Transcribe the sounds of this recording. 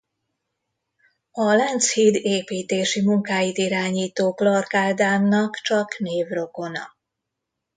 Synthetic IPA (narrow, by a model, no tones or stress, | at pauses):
ɒlɛnt̪shiːd̪eːpiːt̪eːʃimuŋkaːjit̪iɾaːɲiːt̪oːklɒrkaːld̪aːmnɒkt͡ʃɒkneːvro̞ko̞nɒ̰